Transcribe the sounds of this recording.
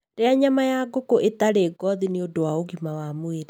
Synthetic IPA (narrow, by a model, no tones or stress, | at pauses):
ɾeaɲamajaɡokoʔetaɾeːɡɔðineodowaoɣimawamweɾe